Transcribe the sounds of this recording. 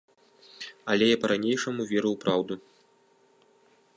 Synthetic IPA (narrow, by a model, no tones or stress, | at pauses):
ɐlʲɛjapɐɾanʲejʂɐmuvʲɛɾɐwpɾawd̪u